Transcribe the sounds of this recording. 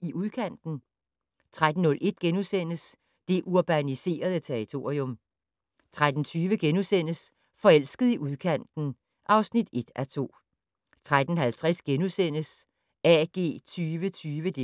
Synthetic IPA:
iʔuðˠkʰæn̰d̥n̩ | t͡sʰʁad̥n̩ːɔ̽lʔe̝d̥̚ɡ̥enusen̰əs | d̥e̝ʔuɐb̥ænise̝̰ːɐð̞ˠət͡sʰeɐʁit͡sʰo̝ːʁiɔ̽m | t͡sʰʁad̥n̩t͡sʰyːʋəɡ̥enusen̰əs | fɒ̽el̰sɡ̥əð̞̩ˠiʔuðˠkʰæn̰d̥n̩ | ʔɑ̈ʊsnid̥e̝d̥æt͡sʰo̝̰ː | t͡sʰʁad̥n̩hælt͡sʰʁasɡ̥enusen̰əs | ɛɡ̥e̝̰ːt͡sʰyːʋət͡sʰyːʋəd̥e̝

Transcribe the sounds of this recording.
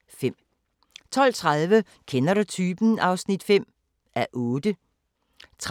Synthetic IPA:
fem̰ | t͡sʰɒ̽l̰t͡sʰʁaðˠʋə | kʰenɐɾut͡sʰyːb̥n̩ɑ̈ʊsnid̥fem̰ | ʔæʔɔ̽ːd̥ə | t͡sʰ

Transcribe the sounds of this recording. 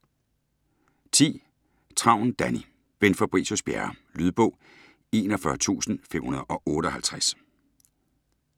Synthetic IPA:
t͡sʰḭː | t͡sʰʁɑ̈ʊ̰n̩d̥æni | b̥enfɒb̥ʁḭːsosb̥jæɐlyðˠb̥ɔ̽ʊ̰ | e̝ːnɒfɶɐt͡sʰṵːsn̩femhunɐð̞ˠɒ̽ʔɔ̽ːɾ̥əɒ̽hælt͡sʰʁas

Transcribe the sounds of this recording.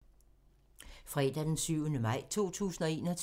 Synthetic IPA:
fʁɛːd̥æd̥ensyʊ̰ənəmɑ̈ɪ̰t͡sʰo̝̰ːt͡sʰṵːsn̩ɒ̽e̝̰ːnɒt͡sʰ

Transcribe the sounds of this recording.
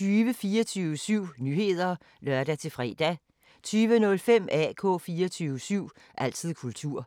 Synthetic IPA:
yːʋəfiːɐt͡sʰyːʊəsyʊ̰nyːhe̝ð̞̰ˠɐ | lɶɐd̥æt͡sʰe̝fʁɛ̰d̥æ | t͡sʰyːʋənɔ̽lfem̰æ̰kʰɔ̰̽ːfiːɐt͡sʰyːʊəsyʊ̰ | ʔæl̰t͡sʰið̰ˠkʰult͡sʰuɐ̰

